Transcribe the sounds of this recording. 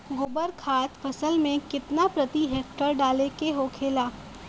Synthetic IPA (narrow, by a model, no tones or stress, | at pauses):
ɡʊbəɾkʰaːt̪fʰɐsəlmẽkɪt̪napɾɐt̪iɦeːk̚ʈəɾɖaːlekeɦokʰeːlaː